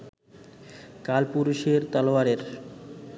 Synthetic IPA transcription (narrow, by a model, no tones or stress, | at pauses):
kalpuɾuʃeɾt̪aloaɾeɾ